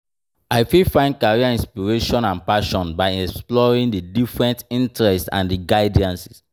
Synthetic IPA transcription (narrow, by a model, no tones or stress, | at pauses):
aɪfilfãɪ̃nd̚kaɹiaĩnspiɹeʃɔ̃nãnpaʃɔ̃nbaɪɛksplɔɹĩŋdədifɹɛ̃ntĩntɹɛstã̰ndiɡaɪdiãnsi̥s